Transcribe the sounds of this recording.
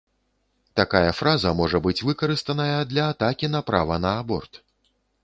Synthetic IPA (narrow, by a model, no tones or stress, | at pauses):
t̪akajɐfɾazɐmɔʐɐbɨt͡sʲvɨkɐɾɨst̪ɐnɐjɐd̪lʲɐːt̪akʲinɐpɾa̰vɐnɐːbɔ̰rt̪